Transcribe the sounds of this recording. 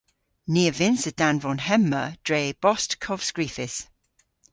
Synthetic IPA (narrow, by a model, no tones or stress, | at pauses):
niːəvɪ̃nsəd̥ãnvɔ̃nɦɛmːəd̥ɹeɪb̥ɔstkʰɔv̥skɹiˑfɪs